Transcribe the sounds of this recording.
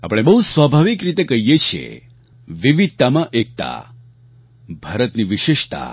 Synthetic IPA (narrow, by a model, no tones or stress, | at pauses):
a̰pəɽ̃ebəɦusʋabʱaʋikɾit̪ekəɦjet͡ʃʰiḛ | ʋiʋid̪̚t̪amãʔek̚t̪a̰ | bʱaɾət̪niʋɪʃɪʃt̪a̰